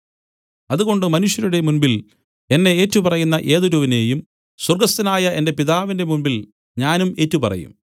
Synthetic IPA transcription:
ɐðuɣo̞ɳɖɨmɐnuʂjɐɾuɽe̞munbil | e̞nːe̞eːtːupɐrɐjunːɐʔe̞ːðuɾuʋine̞ːjum | swɐrɡɐst̪inaːjɐʔe̞nde̞piðaːʋinde̞munbil | ɲaːnume̞ːtːupɐrɐ̰jṵm

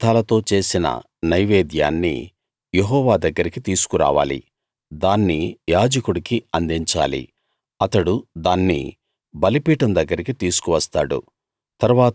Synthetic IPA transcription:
t̪aːlɐt̪o̞ːt͡ʃe̞ːsinɐ̰ | nɐjʋeːd̪ja̰ːnːḭ | jeɦɔːʋaːd̪ɐɡːɐɾikit̪iːsu̥kuɾa̰ːʋa̰ːlḭ | d̪aːnːijaːd͡ʒɐkuɽikiɐnd̪iɲt͡ʃa̰ːlḭ | ɐt̪ɐɽud̪aːnːḭ | bɐlipiːʈɐmd̪ɐɡːɐɾikit̪iːsu̥kuʋɐst̪aːɽṵ | t̪ɐɾuʋaː

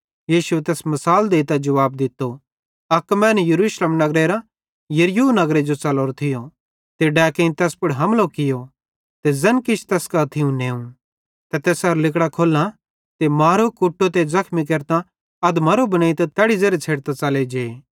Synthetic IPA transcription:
jiːʃuet̪ɛːsmɐsaːld̪eːit̪ad͡ʒɐʋaːb̚d̪ɪt̪ːo | ɐkmɛːnɛjɐɾuːʃlemnɐɡɾeɾa | jɐɾjunɐɡɾed͡ʒot͡ʃɐloːɾt̪ʰɪjo | t̪eɖɛːkẽĩt̪ɛːspʊɽɦɐmlokɪjo | t̪ezɐnkɪt͡ʃʰt̪ɛːskat̪ʰɪũneːũ | t̪ɛt̪ɛːsɐɾlɪkɽakʰoːlã | t̪emaːɾokʊʈːot̪̬ezɐkʰmik̬ɐɾt̪ã | ɐd̪mɐɾobɐnaːit̪at̪ɛːɽizeɾet͡sʰeːɽt̪at͡ʃɐled͡ʒeː

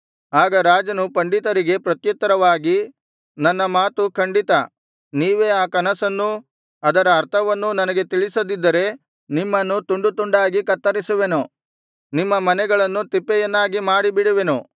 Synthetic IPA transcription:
aːɡɐɾaːd͡ʒɐnupɐɳɖit̪ɐɾiɡe̞pɾɐt̪jɐt̪ːɐɾɐʋaːɡi | nɐnːɐmaːt̪ukʰɐɳɖit̪ɐ | niːʋe̞ːaːkɐnɐsɐnːu | ɐd̪ɐɾɐːɾt̪ʰɐʋɐnːunɐnɐɡe̞t̪iɭisɐd̪id̪ːɐɾe̞ | nimːɐnːut̪uɳɖut̪uɳɖaːɡikɐt̪ːɐɾisuʋe̞nu | nimːɐmɐnɛɡɐɭɐnːut̪ipːɛjɐnːaːɡimaːɽibiɽuʋenu

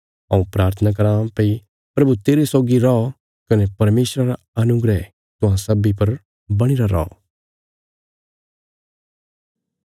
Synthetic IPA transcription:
ɐ̰̃ũpɾaːɾt̪ʰənak̬ɐɾãːpei | pɾɐbut̪eːɾesɔːɡiɾɔɔ | kɐnepɐɾmeːsɾaɾa | ɐnʊɡɾɛ | t̪ʊɦãsɐbipɐɾ | bɐɽ̃iɾaɾɔ̰ɔ̰

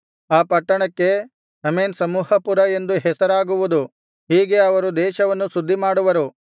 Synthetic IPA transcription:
aːpɐʈːɐɳɐkːe̞ | sɐmeːnsɐmuːhɐpuɾɐe̞nd̪uɦɛsɐɾaːɡuʋud̪u | hiːɡe̞ɐʋɐɾud̪ɛːʃɐʋɐnːusud̪ʱːimaːɽuʋɐɾu

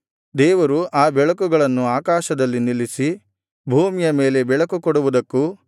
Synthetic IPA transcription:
d̪ɛːʋɐɾuʔaːbɛɭɐkuɡɐɭɐnːuaːkaːʃɐd̪ɐlːinilisi | bʱuːmijɐme̞ːle̞bɛɭɐkukɔɽuʋud̪ɐkːu

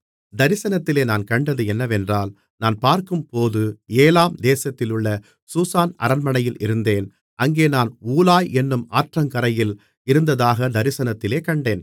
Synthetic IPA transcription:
d̪ɐɾɪsɐnɐt̪ːɪleːnaːnkɐɳɖɐðɯɛnːɐʋɛndraːl | naːnpaːɾkɯmpoːðɯeːlaːmd̪eːsɐt̪ːɪlɯɭːɐ | suːsaːnɐ̰ɾɐnmɐnɐjɪlɪɾɯnd̪eːn | ʔɐŋɡeːnaːnuːlaːjɛnːɯmaːʈrɐŋkɐɾɐjɪl | ɪɾɯnd̪ɐðaːɣɐd̪ɐɾɪsɐnɐt̪ːɪleːkɐɳɖeːn

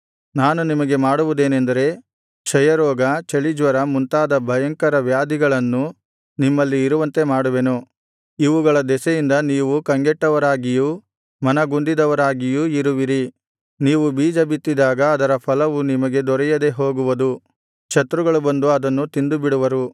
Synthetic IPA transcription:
naːnunimɐɡe̞maːɽuʋud̪e̞ːnend̪ɐɾe̞ | t͡ʃʰɐjɐɾɔːɡɐt͡ʃɐɭid͡ʒʋɐɾɐmunt̪aːd̪ɐbʱɐjɐŋkɐɾɐʋjaːd̪iɡɐɭɐnːu | nimːɐlːiːɾuʋɐnt̪e̞maːɽuʋe̞nu | iʋuɡɐɭɐd̪ɛsɐjind̪ɐniːʋukɐŋɡɛʈːɐʋɐɾaːɡiju | mɐnɐɡund̪id̪ɐʋɐɾaːɡijuiɾuʋiɾi | niːʋubiːd͡ʒɐbit̪ːid̪aːɡɐːd̪ɐɾɐpʰɐlɐʋunimɐɡe̞d̪ɔɾɛjɐd̪e̞ɦo̞ːɡuʋɐd̪u | t͡ʃɐt̪ɾuɡɐɭubɐnd̪uɐd̪ɐnːut̪ind̪ubiɽuʋɐɾu

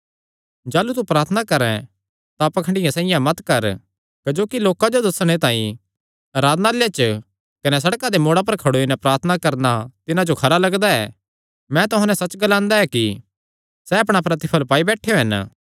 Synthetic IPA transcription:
d͡ʒaːlut̪upɾaːɾt̪ʰənakɐɾɛ̰̃ | t̪apɐkʰəɳɖɪjãsãːɪjãmɐt̪kɐɾ | kɐd͡ʒoːkiloːkad͡ʒod̪ɐsɽ̃et̪ãːḭ̃ | ɾaːd̪naljet͡ʃ | kɐnɛs̬ɐɽkad̪emoːɽap̬ɐɾkʰɐɽoːinɛpɾaːɾt̪ʰnakɐɾnat̪ɪnãd͡ʒokʰɐɾalɐɡd̪aɛ̰ː | mɛ̃t̪ʊɦãnɛsɐt͡ʃɡɐlãːnd̪aɛki | sɛɐpɽ̃apɾɐt̪ɪpʰəlpaːibɛːʈʰːejoɦɐn

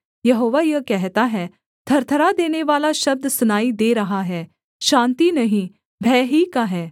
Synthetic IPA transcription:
jɐɦoːʋajəkɛɦt̪aɦɛː | t̪ʰɐɾt̪ʰəɾad̪eːneʋaːlaʃɐb̚d̪sʊnaːid̪eːɾɐɦaɦɛː | ʃãːnt̪inɐɦĩː | bʱɛːɦikaɦɛː

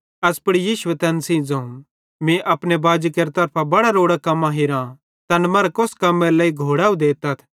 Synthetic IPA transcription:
ɐspɐɽijiːʃuet̪ɛnsĩd͡zɐ̃ũ | mĩʔɐpnebaːd͡ʒikeɾt̪ɐɾpʰabɐɽaɾoːɽakɐmːãɦɪɾã | t̪ɐnmɐɾkoskɐmːẽɾlɐːiɡʱoːɽaːũd̪eːt̪ɐt̪ʰ

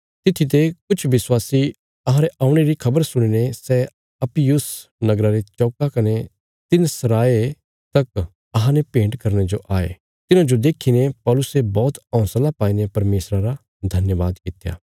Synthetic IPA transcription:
t̪ɪt̪ʰit̪̬ekʊt͡ʃʰʋɪswaːsi | ɐɦãɾeʔaːʊ̃ɽ̃eɾikʰɐbəɾsʊɽ̃inesɛ | ɐpijʊsnɐɡɾaɾet͡ʃɔːkakɐne | t̪ɪnsɐɾaːe | t̪ɐk | ɐɦãnepẽːɳʈkɐɾɽ̃ed͡ʒoʔaːḛ | t̪ɪnãd͡ʒod̪eːkʰːinepɔːlʊsebɔːt̪ɔ̃ʊ̃slapaːinepɐɾmeːsɾaɾa | d̪ʱɐnjəʋaːd̪kɪt̪ja̰ː

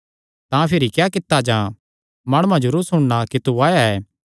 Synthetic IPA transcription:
t̪ãːpʰɪɾikjaːkɪt̪ːad͡ʒãː | maːɽ̃uãd͡ʒʊɾusʊɽ̃ɽakit̪uaːjaɛː

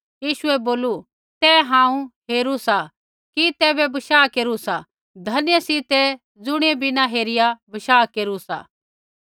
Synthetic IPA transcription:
jiːʃʊɛboːlu | t̪ɛɦãːũɦeːɾusa | kit̪ɛbɛbɐʃaːkeːɾusa | d̪ʱɐnjesit̪ɛ | d͡zʊɽ̃ebinaɦeːɾɪjabɐʃaːkeːɾusa̰

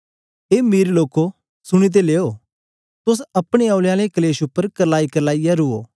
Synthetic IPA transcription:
eːmiːɾloːko | sʊɽ̃it̪̬eleːo | t̪ʊs̬ɐpɽ̃eaːlaːlekɐleːʃʊpːəɾkɐlaːikɐlaːijaɾʊo̰ː

